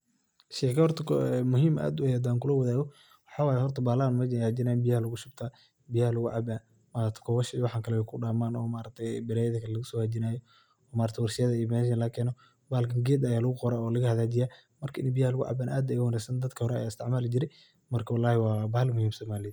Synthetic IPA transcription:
ʃɛːkʰɐhɔrt̪ʰɐkʰɔɛmʊɦiːmʔa̰ːd̪ʊɐjːd̪aːŋkʰʊlɐwɐðaːɣɔ | wɑħɑːwaːjɛhɔrt̪ʰɐbaːlanmɐd͡ʒaːd͡ʒɪnaːbɪjɐhɐlʊɣʊʃʊbt̪ʰaː | bɪjahɐlɐɣʊʕɑ̰ban | maːɐt̪ʰɐ̥kʰɔwɐʃɪwɑħɑːŋkʰɐlɛɛkʰʊɖaːmaːnɔ̰ːmaːɾɐk̚t̪ʰɛjbɪɾaːjɐðɐkʰɐlɛlɐɣʊsɔːhɐd͡ʒɪnaːjɔ | ɔːmaːɾɐkt̪ʰɛwɑrʃɪjɐðɐijɔmɛːʃ̬ɐnlɐkʰɛːnɔ | baːlkʰɐŋɡɛːd̪jaːlɐɣʊqɔɾaːɔːlɐɣɐhɐðaːd͡ʒɪjaː | mɐrkʰɐʔɪnɐbɪjahɐlʊɣʊʕɑ̰baːnʔa̰ːd̪ɐjʊhɔɾɛsɐnd̪ɐd̪kʰɐhɔɾɛɐ̰jaːɪst̪ɪʕmaːlɪd͡ʒɪɾɛ | mɐrkʰɐwɑlːaːhɪwɑːbɐːhlmʊhiːmsɔːmaːlɪɐ

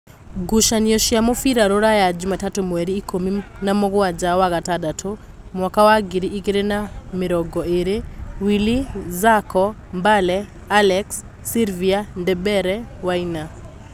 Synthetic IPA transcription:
ɡuʃaniɔʃjamofiɾaɾoɾajad͡ʒʊmatatomwɛɾiːkominamɔɡɔwad͡ʒawaɣatadatʰo | mwakawaɡiɾiʔikeɾenamɪɾɔɡɔeɾewilizakɔmbalɛ | alɛksː | ilviandɛbɛɾɛwaina

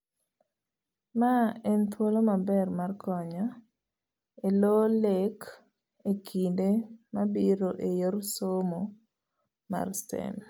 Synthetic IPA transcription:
maɛnt̪ʰwolomabɛrmarkʰɔɲɔ | elolek | ekʰindemabiɾoʔejoɾsomo | ma̰rstḛn

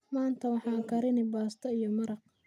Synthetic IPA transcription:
maːnt̪ʰɐwɑħɑːkʰɐɾɪnɪbaːst̪ʰɐijɔmɐɾɑq

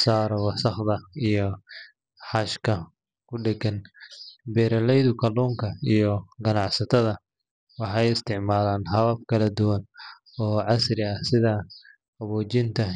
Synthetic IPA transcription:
saːɾɔwɑsɐχðɐijɔ | ħɑʃkʰɐ | kʰʊɖɛɡɐn | bɛːɾɐlɛjðʊkʰɐluːŋkʰɐijɔɡɐnɑʕsɐt̪ʰɐðɐ | wɑħɑjɪst̪ʰɪʕmaːlaːnɦɐβɐbkʰɐlɐd̪ʊwɐn | ɔːʕɑsrɪɐsɪðɐ | ɐβɔːt͡ʃɪnt̪ʰɐ

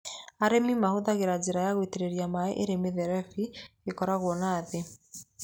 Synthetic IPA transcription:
aɾemimahoðaɣeɾad͡ʒeɾajaɣwiteɾeɾiamaḛʔeɾemeðɛɾɛfiɣekɔɾaɣwɔnaðe

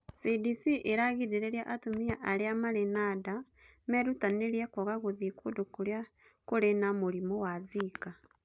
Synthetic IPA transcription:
sidisiʔeɾaɣiɾeɾeɾjaʔatomiaʔaɾeamaɾenada | meɾutaneɾjekoɣaɣoðikodokoɾja | koɾenamoɾimowazika

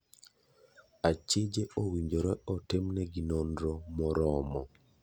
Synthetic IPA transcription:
at͡ʃed͡ʒeowiɲd͡ʒoɾɛɔtɪmnɛɡinondɾɔmɔɾɔmɔ

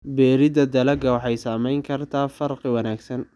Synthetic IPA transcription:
bɛːɾɪdɐd̪ɐlɐɡɐwɑħɑjsaːmɛjŋkʰɐrt̪ʰaːfɐrqɪwɑnaːɡsɐn

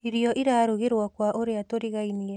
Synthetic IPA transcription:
iɾiɔʔiɾaːɾuɣeɾwakwaʔoɾeatoɾiɣainiɛ

